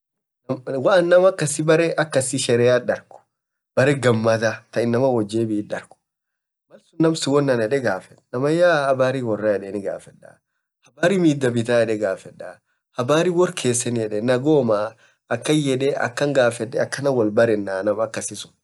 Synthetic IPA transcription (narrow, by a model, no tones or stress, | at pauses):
nmwaʔɐnːɐmɐkːɐsɪbɐɾɛʔɐkːɐsɪʃɛɾɛaᶑɐɾkʊ̥ | bɐɾɛɡɐmːɐt̪at̪ɐɪnːɐmɐwɔd͡ʒːeːbɪːᶑɐɾkʊ̥ | mɐlsʊnːɐmsɪwɔnːɐnɛᶑɛɡaːfɛᶑnɐmɐjaːhɐbaːɾiwɔrːɐjɛᶑɛnɪɡa̰ːfɛᶑːa̰ | hɐbaːɾimiːd̪ːɐbɪt̪aːɛᶑɛɡaːfɛᶑːa | hɐbaːɾiwɔɾkʰeːsɛnjɛᶑɛnɐɡoːma | ɐkːɐɛᶑɛʔɐ̰kːɐŋɡaːfɛᶑɛɐkːɐnɐwɔlbɐɾɛnːaːnɐmɐkːɐsɪsʊn